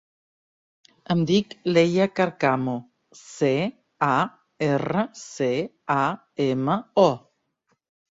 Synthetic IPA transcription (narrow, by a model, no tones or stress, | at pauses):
ɐmd̪iklejakaɾkamo | se | a | erəse | a | emaɔ